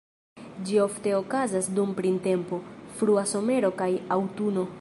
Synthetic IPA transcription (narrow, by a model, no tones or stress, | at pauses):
d͡ʒio̞fte̞o̞kazasdumpɾinte̞mpo̞fɾuaso̞me̞ɾo̞kajawtuno̞